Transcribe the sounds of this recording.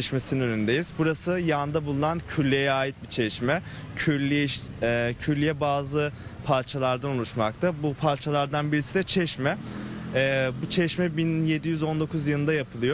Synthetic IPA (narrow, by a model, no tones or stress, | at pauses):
ɛʃmesininønynd̪e̞jizbuɾasɯjand̪abulˠunancʰyɾlʲːejɛaːjit̪̚bit͡ʃʰɛʃmɛ | cʰyɾlʲːijʃ | ɛcʰyɾlʲːijɛbaːzɯpʰaɾt͡ʃʰalˠaɾd̪anulˠuʃmak̚t̪ʰabupʰaɾt͡ʃʰalˠaɾd̪anbiɾisid̪ɛt͡ʃʰɛʃmɛː | but͡ʃʰɛʃmɛbinje̞d̪ijyzo̞nd̪o̞kʰuzjɯlˠɯnd̪ajapʰɯlˠɯjo